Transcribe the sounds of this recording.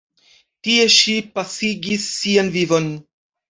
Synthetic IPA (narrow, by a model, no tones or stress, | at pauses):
tie̞ʃipasiɡisːianvivo̞n